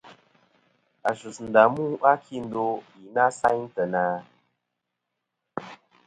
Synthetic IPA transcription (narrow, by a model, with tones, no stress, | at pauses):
a˨ʃu˨sn̩˨da˨mu˦ʔa˦kʰi˦˨n̩˦do˦i˨na˦sa˦ɲtə˨naː˦